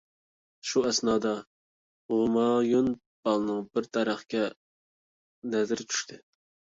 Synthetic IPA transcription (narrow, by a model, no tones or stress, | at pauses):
ʃuɛsnɑːd̪ɑ | omɑjun | b̥ɑlˠnɨŋb̥ɪɾt̪ʰɛɾæχkʲɛ | nɛzɪɾɪt͡ʃʰy̥ʃt̪ʰɪ